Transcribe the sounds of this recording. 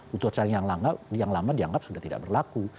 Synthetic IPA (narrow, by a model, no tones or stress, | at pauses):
ut̪ut͡ʃaɾɪŋjaŋlaŋɡap̚jaŋlamadiaŋɡap̚sudaht̪ida̰ʔbərlaku